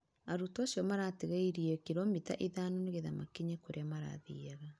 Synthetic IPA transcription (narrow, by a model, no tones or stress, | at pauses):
aɾutasjɔmaɾateɣaiɾiɛkiɾɔmita̰ʔiðaːnoneɣeðamakiɲekoɾeamaɾa̰ðḭaɣa